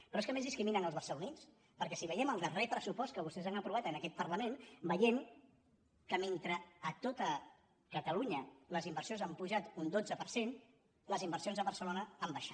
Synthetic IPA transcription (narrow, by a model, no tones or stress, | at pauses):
pɾɔeskəmezðiskɾiminəŋəlˠzβəɾsəlunit͡s | pəɾkɛsiβəjɛməlˠd̪ərɛpɾəsupɔst̪kəβ̞ust̪ɛzanəpɾuβ̞at̪ənəkɛt̪̚pəɾləmenbəjen | kəment̪ɾəːt̪ot̪ə | kət̪əluɲələzimbəɾsionzampuʒat̪und̪od͡zəpəɾsen | ləzimbəɾsionzðəβəɾsəlonəambəʃa